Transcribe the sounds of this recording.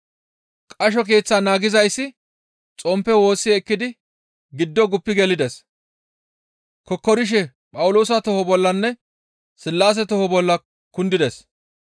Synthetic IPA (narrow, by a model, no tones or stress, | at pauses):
kʼɐʃ̬ɔk̬e̞ːt͡sːaːnaːɡɪzɐjsːɪ | t͡sʼɔmpːɛwo̞ːsːɪɛkːɪd̪ɪ | ɡɪd̪ːɔɡʊpːɪɡɛlɪd̪ɛs | kɔkːɔɾɪʃ̬ɛ | pʼɐwʊlo̞ːs̬ɐt̪ɔhɔbɔlːɐnːɛ | sɪlːaːs̬ɛt̪ɔhɔbɔlːɐ | kʊnd̪ɪd̪ɛs